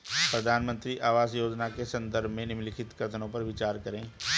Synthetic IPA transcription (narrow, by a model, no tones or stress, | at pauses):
pɾəd̪ʱaːnmə̃nt̪ɾiʔaːʋaːsjoːd͡ʒnakesə̃nd̪əɾbʱmẽnɪmlɪkʰɪt̪kɾət̪ʰənõpɐɾʋɪt͡ʃaːɾkəɾẽː